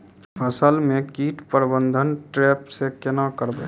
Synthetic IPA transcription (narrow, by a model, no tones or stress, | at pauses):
pʰəsəlmẽkiːʈpəɾbə̃nd̪ʱənʈɾeːpsekɪnakəɾbe